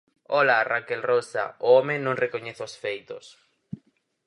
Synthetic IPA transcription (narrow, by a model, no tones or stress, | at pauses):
ɔlarakelrosa̰ʊɔmenõŋrekoɲeθosfejt̪o̰s